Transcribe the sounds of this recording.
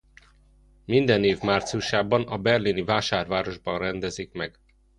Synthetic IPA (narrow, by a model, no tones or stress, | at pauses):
mind̪ɛneːvmaːrt̪siuʃaːbɒnɒbɛrlinivaːʃaːrvaːɾo̞ʒbɒnrɛnd̪ɛzikmɛɡ